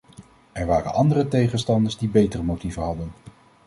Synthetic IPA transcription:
ɛɹʋaːrə̰nɑndərətejχənstɑndəɹzdibejtərəmowtivənɦɑdən

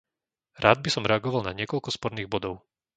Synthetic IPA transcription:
ɾaːd̪̚bisɔmɾɛaɡɔʋalnaɲɪɛkɔlkɔspɔɾniːɣbɔd̪ɔʊ

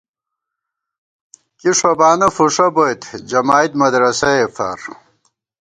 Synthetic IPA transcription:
kiʂɐbaːnɐfuʂɐbojt̪ʰd͡ʑɐmaːit̪̚mɐd̪ɾɐsɐefɐ̰ɾ

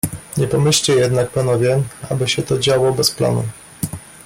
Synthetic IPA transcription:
ɲɛpɔmɘɕt͡ɕɛjɛd̪nak̚panɔvʲjɛa̰bɘɕɛt̪ɔd͡ʑawɔbɛspla̰nṵ

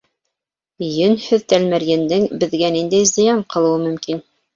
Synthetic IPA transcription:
jɵnhɵðt̪ælmæɾjɘ̆nd̪ɘŋbɘ̆ðɡænind̪æjzɤ̆jɑɴqɤ̆lˠɤ̆wɤmɵ̆mkin

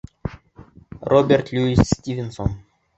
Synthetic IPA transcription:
robʲert̪lʲuisːt̪ʲivʲenson

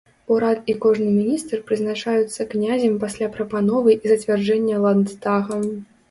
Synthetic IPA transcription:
uɾat̪̚ikɔʐnɨmʲinʲist̪rpɾɨznat͡ʂajut̪sːɐknʲazʲɐmpasʲlʲapɾɐpanɔvɨʔizɐt͡sʲvʲard͡ʐɛnʲːɐlˠand̪t̪aɣɐ

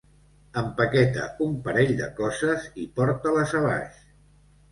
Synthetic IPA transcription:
əmpəkɛt̪ə̰umpəɾɛʎd̪ə̰kɔzəzipɔɾt̪ələzaβa̰ʃ

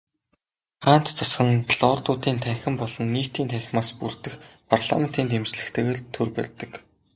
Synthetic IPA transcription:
χaːn̥t̪t͡sʰasχə̆ŋɮɔːrt̪ʊːt̪iːnt̪ʰæːxʲɪ̆mpɔɮɞ̆nːiːkt̪iːnt̪ʰæːx̆ʲmaːspur̥t̪ɘ̆xpʰarɮa̰men̥t̪iːnt̪ʰemt͡ɕɮɘ̆kt̪ʰeːɣeːɮt̪ʰːɵrpæ̰rʲt̪ə̆k

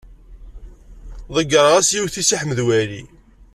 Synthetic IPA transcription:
ðˤəɡːəɾˤʁæsjiwθisiħməðwæli

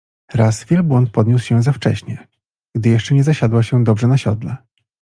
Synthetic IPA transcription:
ɾasvʲjɛlbwɔnt̪̚pɔd̪ɲuswɕɛzaft͡ʂɛ̰ɕɲɛ | ɡ̥d̪ɘjɛʂt͡ʂɛɲɛzaɕad̪waɕɛd̪ɔbʐɛnaɕɔd̪lɛ

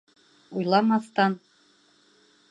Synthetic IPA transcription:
ujlˠɑmɑst̪ɑn

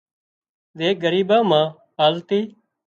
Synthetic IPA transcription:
zeːɡəɾiːbãːmãː | ɦaːlt̪iː

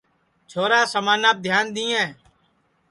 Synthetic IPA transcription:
t͡ʃʰoːɾaːsəmaːnaːp̚d̪ʱjaːnd̪ĩːɛ̃ː

